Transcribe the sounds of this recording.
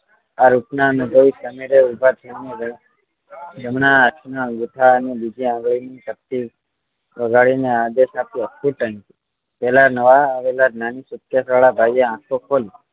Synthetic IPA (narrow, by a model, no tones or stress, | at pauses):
aɾupnanubʱəisəmiɽeubʱat̪ʰəneɡə | d͡ʒəmnaːt͡ʃʰnaɡuʈ̪ʰaənebid͡ʒʱiãŋɡɭinit͡ʃ̪əp̚t̪i | ʋəɡʱaɭinead̪eʃapiəsuʈənki | pɛlanəʋaːʋelananisukjasʋaɭabʱajeãkʰokʰoli